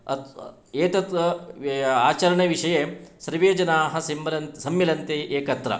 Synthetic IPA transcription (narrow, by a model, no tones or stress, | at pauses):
ɐ | eːt̪ɐt̪ɐ | aːt͡ʃɐɾɐɳeʋiʂɐjeːsɐɾʋeːd͡ʒɐnaːɦɐ̆sɐmlɐnsɐmːilɐnt̪eːʔeːkɐt̪ɾɐ̰